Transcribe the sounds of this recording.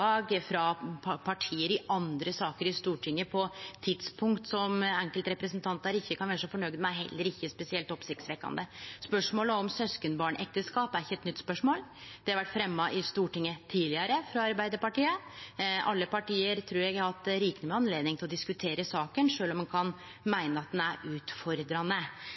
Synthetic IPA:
ɑːɡfɾɑpʰpʰɑʈʰiːəɾɪʔɑnd̪ɾəsɑːkəɾɪst̪uːʈʰɪŋːəpʰɔt̪ʰɪd̪spʰʊŋkt̪sɔmɛŋkəlt̪ɾɛpɾəsnt̪ʰɑnt̪æɾɪçːəkʰɑnʋæːɾəʂɔfɔɳœɡd̪mɛæɦɛ̰lːəɾɪçːəspɛsɪɛlt̪ɔpsɪk̚t̪sʋɛkːɑ̰nd̪əspœʂmoːləɔmsœskənbɑːɳɛ̰k̚t̪əskɑːpæɾɪçːəɛt̪nʏt̪ːspœʂmoːld̪̥ɛhɑɾʋæʈːfɾɛmːɑʔɪst̪uːʈɪŋːət̪ʰiːlɪɑɾəfɾɑɑɾbæɪd̪əɾpɑʈiːəʔɑlːəpɑʈiːəɾt̪ʰɾuːɾjɛɡɑɾhɑt̪̚d̪ɛɾiːkənəmɛɑnleːd̪nɪŋt̪ʰɪlɔd̪ɪskʉt̪ʰeːɾəsɑːkənʂøːlɔmːɑnkʰɑn | mæɪnəɑt̪̚d̪ɛnæɾʉːt̪fɔɾd̪ɾɑnːə

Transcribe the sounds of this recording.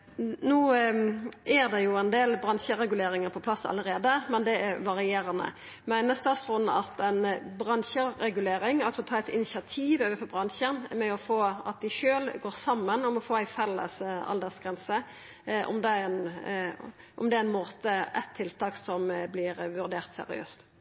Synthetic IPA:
nuː | ʔæɾd̪ɛjʊæɪnd̪eːlbɾɑnʃəɾɛɡʉleːɾɪŋəɾpʰɔpʰlɑsːɑ̰ləɾeːd̪əmɛnd̪ɛæɾʋɑɾɪeːɾənə̰ | mæɪnəst̪ɑːst̪ɾʊnːɑt̪ænbɾɑnçəɾɛɡʉleːɾɪŋɑlsɔɔt̪ʰɑːɛt̪ɪnɪsɪɑt̪ʰiːʋøːʋəfɔɾbɾɑnʃənmɛɔfoːɑt̪̚d̪ɪʃøːlɡoːɾsɑmːənɔmɔfoːæɪfɛlːə̰sɑ̰ld̪ɛsɡʁɛnsə | ʔɔ̰md̪ɛɛn | ʔɔmd̪ɛæɾɛnmoːt̪əæ̰t̪ʰːɪlt̪ʰɑːksɔmblɪɾʋʉɾd̪eːʁt̪sɛ̰ɾɪ̰ø̰ːst̪

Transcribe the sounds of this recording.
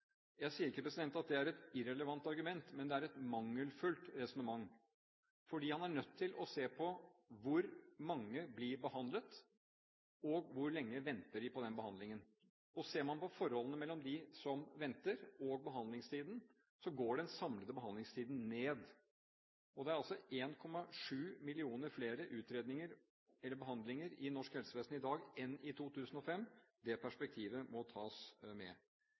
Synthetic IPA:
jæɪsiːəɾɪkːəpɾɛsɪd̪ɛnt̪ɑt̪̚d̪ɛæɾɛt̪ɪɾɛləʋɑnt̪ɑɾɡʉmɛnt̪mɛnd̪ɛæɾɛt̪mɑŋːəlfʉlt̪ɾɛsɔnəmɑŋː | fɔɖiːhɑnæɳœt̪ʰːɪlʔɔseːpʰɔʋʊɾmɑŋːəbliɾbəhɑnd̪lət̪ | ɔɡʋʊɾɭɛŋːəʋɛnt̪əɖɪpʰɔd̪ɛnbəhɑnd̪lɪŋən | ɔseːɾmɑnpɔfɔɾhɔlənəmɛlːɔmd̪ɪsɔmʋɛnt̪əɾɔɡ̚bəɦɑnd̪lɪŋst̪ʰiːd̪ən̩ | sɔɡoːɖɛnsɑmləd̪əbəɦɑnd̪lɪŋst̪ʰiːd̪n̩neːd̪ | ɔd̪ɛæɾɑlsɔeːnkʰɔmɑʂʉːmɪlɪuːnəɾfleːɾəʔʉːt̪ɾeːd̪nɪŋəɾ | ɛlːəɾbəɦɑnd̪lɪŋəɾɪnɔʂkhɛlsəʋeːstn̩ɪd̪ɑːɡɛnɪt̪ʰuːt̪ʰʉːsən̩ɔfɛmːd̪ɛpʰæʂpɛk̚t̪ʰiːʋəmɔt̪ʰɑːsmɛ

